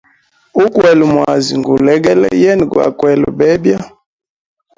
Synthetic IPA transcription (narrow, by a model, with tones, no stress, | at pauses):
u˦kwɛ˨lu˨mwa˨zi˨ŋɡu˨lɛ˦ɡɛ˦lɛ̰˦jɛ˦n˨ɡwa̰˨kwɛ˨lṵ˨bɛ˦bja˦